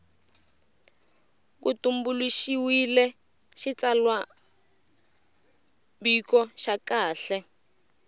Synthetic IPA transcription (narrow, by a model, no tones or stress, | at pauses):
k̬utumbuliʃiwilɛ | ʃit͡salwa | bikɔʃakaːɬɛ